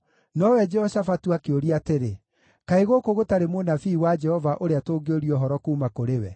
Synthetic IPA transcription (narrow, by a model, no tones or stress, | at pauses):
nɔwɛd͡ʒɛhɔsafatuakeoɾiateɾe | kaeɣokoɣotaɾemonafiːwad͡ʒɛhɔvaʔoɾeatoːɡeoɾiɔɦɔɾɔkuːmakoɾewɛ